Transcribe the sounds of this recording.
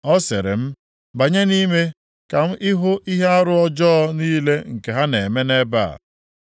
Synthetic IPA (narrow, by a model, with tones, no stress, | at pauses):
ɔ˦sḛ˨ɾɪ̰˨m̩˦ | ba˨ɲe˦ni˦me˦ | ka˨m̩˦ʔɪ˦ɦʊ˦ʔi˦ɦe˦a˦ɾʊ˦ɔ˦d͡ʒɔ˦ɔ˦niː˦le˦ŋ̩˨ke˨ɦa˦ne˨me˦ne˦ba̰˦˨